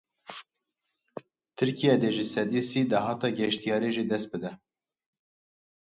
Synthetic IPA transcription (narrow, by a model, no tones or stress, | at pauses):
t̪ʰɨɾkijɛd̪eːʒɪsɛd̪iːsiːd̪ɑɦɑːt̪ɑːɡɛʃt̪ijɑːɾeːʒid̪ɛst̪̚bɨd̪ɛ